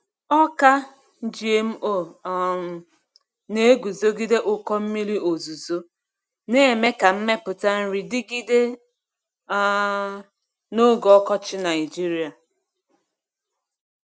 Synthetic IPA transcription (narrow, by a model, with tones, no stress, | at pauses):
ɔ˦ka˦ | n̩˦d͡ʒi˦e˦m̩˦ʔo˦˨ | ne˦e˦ɡu˨zo˦ɡi˦de˦ʔʊ˦kɔ˦m̩˦mi˦ɾi˦o˨zu˨zo˦ | ne˦˨me˦ka˨m̩˦me˦pʊ˨ta˦n̩˦ɾi˨dɪ˦ɡi˦de˦ | no˦ɡɔ˦kɔ˦t͡ʃɪ˦na˨ɪ˨d͡ʒi˦ɾi˦a˨